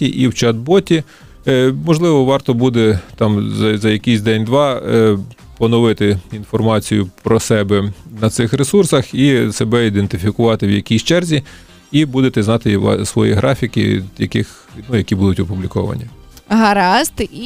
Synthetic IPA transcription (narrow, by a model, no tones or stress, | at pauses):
tʲiʔiwt͡ʃɐd̪̚bɔtʲi | mɔʒlˠɪʋɔʋɑrt̪ɔbud̪ɛt̪ɑmzɐzɐjɐkʲisʲd̪ɛnʲd̪ʋɑ | pɔnɔʋɪt̪ɪinfɔrmɑt͡sʲijʊpɾɔsɛbɛnɐt̪sɪxɾesursɐxisebɛid̪ent̪ɪfʲikʊʋɑt̪ɪwjɐkʲijst͡ʃɛrzʲi | ibud̪et̪ɛznɑt̪ɪʋɑ̰sʋɔ̰jḭɦɾʔɑfʲikɪ̰jɐ̰kɪx | nujɐkʲibud̪ʊtʲɔpublʲikɔ̰ʋɐ̰nʲḭ | ɦɐɾɑst̪